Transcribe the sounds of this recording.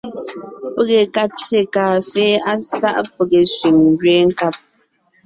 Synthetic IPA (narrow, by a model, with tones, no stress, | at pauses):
po˦ɣe˨ka˦pje˨kaː˨feː˦a˦sa̰˦ʔpə˨ɣe˨sɥi˨ŋ˨ɡɥe˦ŋ̩˦ka˦p̚